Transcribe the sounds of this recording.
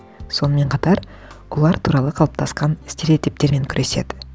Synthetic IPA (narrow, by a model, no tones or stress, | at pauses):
so̞nəme̞ɴqʰɑt̪ɑɾ | wʔolˠɑɾt̪ʰuɾɑlˠəqʰɑlˠəp̚t̪ʰɑsqɑnɪst̪eɾet̪ep̚t̪e̞ɾme̞ŋkʲʰʏɾʔe̞se̞̰d̪ɪ